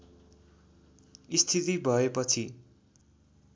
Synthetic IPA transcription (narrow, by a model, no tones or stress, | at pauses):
ist̪ʰit̪ibʱʌepʌt͡sʰi